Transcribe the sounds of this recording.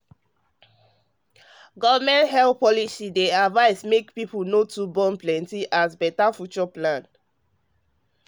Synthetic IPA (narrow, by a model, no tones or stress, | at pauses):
ɡɔvamɛ̃nthɛlθpɔlisideavaɪsmekpipunotubɔ̃nplɛ̃ntiʔazbɛtafjut͡ʃɔplãn